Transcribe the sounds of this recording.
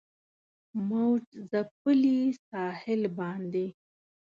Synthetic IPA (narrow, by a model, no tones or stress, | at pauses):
mawʈzapəlisɑhɪlbɑnd̪e